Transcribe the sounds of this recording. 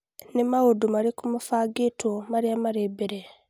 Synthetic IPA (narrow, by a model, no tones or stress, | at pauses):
nemaodumaɾikumafaːɡetwomaɾiamaɾeːbeɾe